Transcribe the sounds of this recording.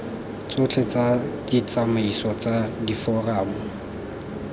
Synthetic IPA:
t͡sʊt͡ɬʰɛt͡sad̥it͡sʼamaisɔt͡sʼadifɔraːmʊ

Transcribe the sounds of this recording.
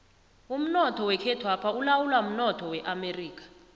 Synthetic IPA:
um̩nɔtʰɔwɛkʰɛtʰwapʰaulawulwam̩nɔtʰɔwɛʔameriːk̬ʼḁ

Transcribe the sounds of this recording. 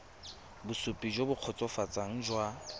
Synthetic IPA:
bʊsʊpʼid͡ʒobʊq͡χʰɔt͡sʼɔfat͡sʼaŋ̩d͡ʒwa

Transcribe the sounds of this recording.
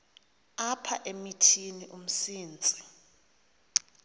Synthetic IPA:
apʰa̰ʔemitʰiniʔum̩siːnt͡sʼi

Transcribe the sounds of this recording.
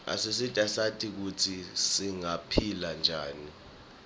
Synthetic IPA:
a̰sisitʼasatʰʼik̬utʰisiŋapʰiland͡ʒʱaːni

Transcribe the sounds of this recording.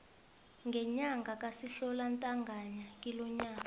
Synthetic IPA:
ŋɡʱɛɲaŋɡʱakʼasiɬɔlantʼaŋɡʱaɲakʼilɔɲaːka

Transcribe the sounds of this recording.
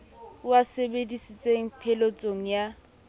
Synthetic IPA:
wasebedisit͡sʼeŋ̩pʰɛlot͡sʼoŋ̩ja

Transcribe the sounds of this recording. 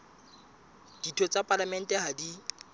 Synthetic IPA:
d̥itʰɔt͡sʼapʼalamɛn̩tʼɛɦadi

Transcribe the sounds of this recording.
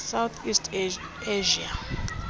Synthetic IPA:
sawt̪ʰistʰʼ | eʒia

